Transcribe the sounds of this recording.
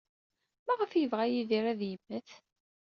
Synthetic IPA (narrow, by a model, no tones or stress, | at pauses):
mæʁəfjəvʁæjiðiɾæðjəmːəθ